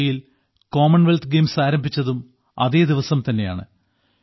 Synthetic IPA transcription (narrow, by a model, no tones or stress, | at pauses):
jil | ko̞ːmɐɳʋelt̪ɡeːmsaːɾɐmbʱit͡ɕːɐðum | ɐ̰ðe̞ːd̪iʋɐsɐmt̪ɐnːe̞ja̰ːɳɨ̰